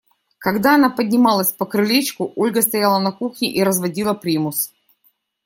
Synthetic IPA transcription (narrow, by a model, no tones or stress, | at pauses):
kɐɡd̪aɐnapədʲnʲɪmalˠəsʲpəkɾɨlʲet͡ɕkʊʔolʲɡəst̪ɐjalˠənɐkuxnʲɪʔiɾəzvɐdʲilˠəpɾʲimʊs